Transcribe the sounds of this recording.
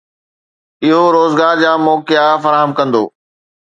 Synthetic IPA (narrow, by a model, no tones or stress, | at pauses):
ɪɦoɾoːzɡaːɾd͡ʑaːmɔːkɪjafɐɾaːɦəmkɐ̃nd̪o̰ː